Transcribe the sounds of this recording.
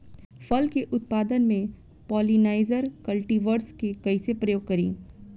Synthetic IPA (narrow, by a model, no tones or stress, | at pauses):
fɐlkeʔʊt̪̚paːd̪ənmẽ | pɔːlinaːɪzəɾkɐlʈiʋəɾskekɐisepɾɐjoːɡ̚kɐɾḭː